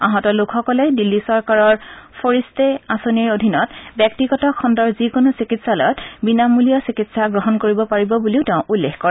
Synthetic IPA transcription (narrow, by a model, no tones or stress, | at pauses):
aɦɔtɔlʊkʰxɔkɔlɛdilːisɔɹkaɹɔɹpʰoɹistɛasoniɹodʱinɔtbjɛk̚tiɡɔtɔkʰɔndɔɹzikonosikitsalɔ̰jɔtbinamulijɔsikitsaɡɹɔɦɔnkoɹibɔpaɹibɔbuliʊteʊ̃ʔulːexkɔɹ